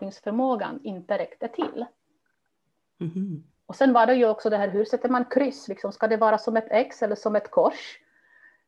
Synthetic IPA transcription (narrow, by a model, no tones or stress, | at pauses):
ɪŋsfœɾmoːɡa̰nɪnt̪əɾɛkt̪ət̪ʰɪ̰lː | ɔsɛnvaɖɛjɵɔksɔd̪ɛɦæːɾɦɵɾsɛt̪ːəmankʰɾʏsːlɪksɔmskad̪ɛvɑːɾasɔmɛt̪ʰɛksɛlːəʂɔmɛt̪kʰɔʂ